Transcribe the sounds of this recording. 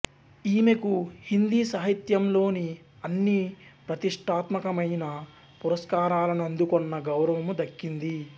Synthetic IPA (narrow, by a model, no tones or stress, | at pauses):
iːme̞kuhind̪iːsɐːɦit̪jɐmlo̞ːni | ɐnːipɾɐt̪iʂʈʰaːt̪mɐkɐmɐjnɐ | puɾɐskaːɾaːlɐnuɐnd̪ukɔnːɐɡɐwɾɐʋɐmud̪ɐkːind̪i